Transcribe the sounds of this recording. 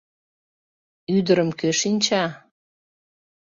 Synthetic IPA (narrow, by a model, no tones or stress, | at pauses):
yd̪əɾəmkøʃinʲt͡ɕɑ